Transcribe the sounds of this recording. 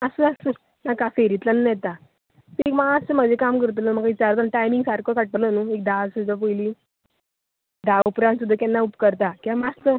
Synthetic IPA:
əsəəsə | nakafeɾit̪lənːjɛt̪a | t̪iekmaast͡səm̤əd͡ʑekamkəɾt̪̬ələm̤əkait͡ɕaɾt̪anʈajmiŋɡsaɾkəkaʈːələnuek̚d̪asud͡z̪ap̬ojliː | d̪aʋpɾãns̬ud̪ʱːəkɛnːaupkəɾt̪akiamast̪ə

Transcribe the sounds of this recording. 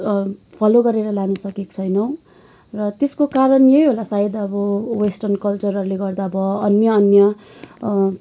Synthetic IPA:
pʰʌloɡʌɾeɾʌlanusʌkekt͡sʰʌjnʌw̃ | rʌt̪eskokaɾʌnjejɦolasaed̪ʌbʌwesʈʌrnkʌlt͡sʌrʌruleɡʌrd̪aʌbʌʌnjʌːnjʌ

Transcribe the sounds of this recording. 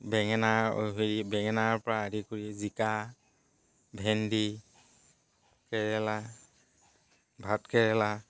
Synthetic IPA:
bɛŋɛnao̰ɦiɹibɛŋɛnaɹpɔɹaːdikuɹizika | bʱɛndi | kɛɹɛla | bʱatkɛɹɛla

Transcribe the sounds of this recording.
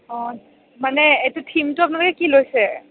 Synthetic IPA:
ɔ | manɛetʊtʰimtʊap̬ʊunalokɛkilojsɛ

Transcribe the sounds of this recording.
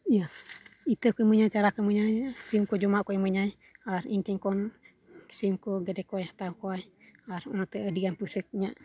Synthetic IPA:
jəit̪əkoməɲat͡ʃaɾakəməɲajsimkod͡ʒumaʔkojməɲaj | asiŋkəŋkɔn | ksimkoɡədekojht̪aukoaj | asunat̪əədiɡanpusək̚ɲaʔ

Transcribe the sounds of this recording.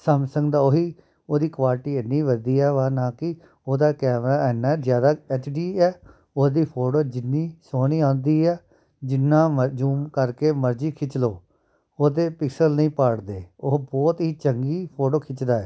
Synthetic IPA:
səmsəŋɡd̪aːoːɦiː | oːd̪iːkʋaːlɪʈiːənːĩːʋəd̪iːɛːʋaːnãːkɪ | oːd̪aːkɛːmɾaːɛːnːaɛzjaːd̪aːɛːt͡ʃɖiːɛː | oːd̪iːpʰoːʈoːd͡ʒɪnːiːsoːɽ̃iːãːnd̪iːɛː | d͡ʒɪnːãːməd͡ʒuːmkəɾkeːməɾd͡ʒiːkʰɪt͡ʃloː | oːd̪eːpɪksəlnĩːpaːɽd̪eːʊɦbɔːt̪ɦiːt͡ʃəŋɡiːpʰoːʈoːkʰɪt͡ʃd̪aːɛː

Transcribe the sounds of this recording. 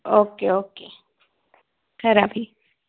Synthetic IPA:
oːkeoːke | kɛɾaːbi

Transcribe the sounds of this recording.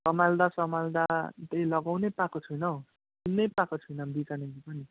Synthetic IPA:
sʌmald̪asʌmald̪at̪eilʌɡawnepakot͡sʰujnʌ | kinejpakot͡sʰujnʌbit͡sanebipʌni

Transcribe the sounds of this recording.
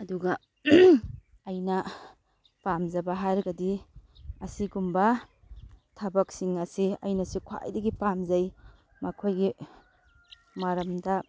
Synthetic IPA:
ɐduɡɐ | ɐjnɐ | pamzɐbɐɦaɾɡɐdi | ɐsiɡumbɐ | tʰɐbɐk̚siŋɐsiɐ̰jnɐsikʰa̰jdɐɡipamzɐj | mɐkʰojɡi | maɾɐmdɐ

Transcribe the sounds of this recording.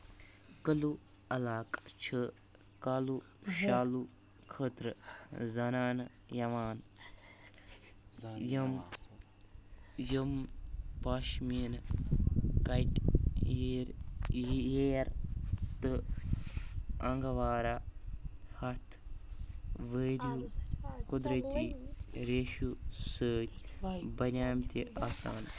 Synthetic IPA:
kəlu | ɐlaːkt͡ʃʰɨ | kalu | ʃaːlu | kʰət̪ɾɨzɐnaːn | jɐʋaːn | jəm | jəmpaːʃmin | ɡɐjʈ | ɾ | jeɾt̪ɨ | ɐŋɡɐʋaːɾa | hɐt̪ʰ | ʋeːɾukud̪ɾɐt̪iɾeːʃusəːtʲbɐɾʲaːmt̪eaːsa̰ːn

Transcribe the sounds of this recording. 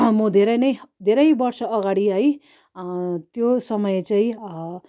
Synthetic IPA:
mʌd̪ʱeɾʌjnʌjd̪ʱeɾʌjbʌrsʌːɡaɽiɦʌj | t̪josʌmʌjet͡saĩ

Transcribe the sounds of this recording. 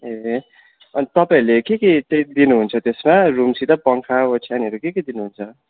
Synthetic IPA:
ɦe | ʌnit̪ʌpaĩlekekeʈek̚d̪inuɦunt͡sʰʌt̪esmarumsit̪ʌpʌŋkʰaot͡sʰianiɦʌɾukekid̪inuɦunt͡sʰʌ

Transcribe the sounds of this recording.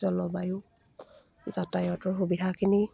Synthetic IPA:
zɔlɔbajʊ | zatajɔtɔɹɦubidʱakʰini

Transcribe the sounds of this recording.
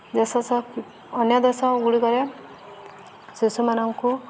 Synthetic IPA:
d̪esɔsɔː | njɔd̪esɔɡuɽikɔɾe | sisumanɔŋku

